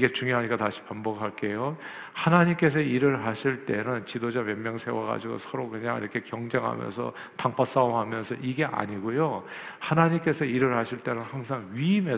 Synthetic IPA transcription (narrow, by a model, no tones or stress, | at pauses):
iɡe̞t͡ɕuŋjoɦaɲik͈ataɕʰi̥pambʌkʰaɭk͈e̞jo | hanaɲimk͈e̞s̬ʰʌiɾɯɭɦaɕʰiɭt͈e̞nɯnt͡ɕidod͡ʑamemjʌŋsʰe̞waɡa̰d͡ʑiɡo̰sʰʌɾokɯɲa̰ŋḭɾʌkʰe̞kjʌŋd͡ʑeŋɦa̰mjʌ̰nsʰʌ̰ | taŋpʰas͈aoɦamjʌnsʰʌʔiɡe̞ʔa̰ɲiɡojo | hanaɲimk͈e̞sʰʌiɾɯɭɦaɕʰiɭt͈e̞nɯnhaŋsʰaŋɥiːme̞